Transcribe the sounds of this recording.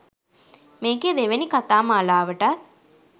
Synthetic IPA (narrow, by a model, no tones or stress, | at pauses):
meːɡed̪eʋenikat̪aːməalaːʋəʈa